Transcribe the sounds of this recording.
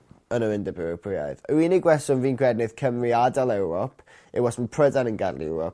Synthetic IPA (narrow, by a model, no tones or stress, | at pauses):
ənəwɪndəbɪɾɛpʰrɪa̰ɨðəwiniɡwɛsɔnviːnkʰwɛdnɨð̥kʰəmriadalˠɛwɾɔpʰ | ɪwɔsməpʰr̥ədanənɡadlɛ̰wɾɔ̰p̚